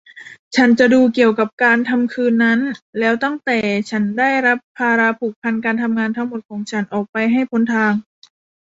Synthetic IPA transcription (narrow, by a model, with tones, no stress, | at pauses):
t͡ɕʰa˦˥nt͡ɕa˨˩duː˧ki˨˩əwka˨˩p̚kaː˧nt̪ʰa˧mkʰɯː˧nːa˦˥nlɛː˦˥wt̪a˥˩ŋt̪ɛː˨˩t͡ɕʰa˦˥nda˥˩jɾa˦˥pʰːaː˧ɾa˧pʰuː˨˩k̚pʰa˧nkaː˧nt̪ʰa˧mŋaː˧nt̪ʰa˦˥ŋmo˨˩t̪̚kʰɔː˩˦ŋt͡ɕʰa˦˥nʔɔː˨˩k̚pa˧jɦa˥˩jpʰo˧˦˥nt̪ʰaː˧ŋ